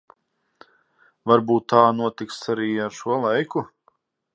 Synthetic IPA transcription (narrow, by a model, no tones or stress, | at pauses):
vaɾbuːt̪ːaːnuɔt̪iksaɾiːaɾʃuɔlˠajku